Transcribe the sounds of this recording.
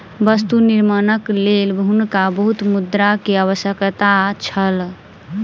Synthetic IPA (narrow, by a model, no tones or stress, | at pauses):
bəst̪uniɾmənəklelbɦunkabəɦut̪mud̪ɾakeəβəsjəkt̪at͡ʃʰəl